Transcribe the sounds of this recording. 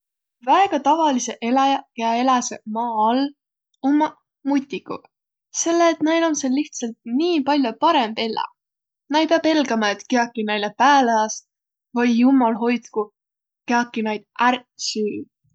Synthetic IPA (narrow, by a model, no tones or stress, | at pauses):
væeɡ̥ɑt̪ɑvɑlise̞ʔe̞læjɑkeɑe̞læsemɑːɑl | omːɑ | mut̪ʲːˑikṵ | se̞lːeːt̪næjlɑmselːiht̪sɑlt̪̚niːpɑlʲjopɑɾembelɑ̰ | nɑjpeɑbe̞lɡɑmɑet̪keɑkːˑinæjlepæːleɑs | vɑjːumɑlɦo̞jt̪ku | keɑkːˑinɑjd̪̥ʔærsyː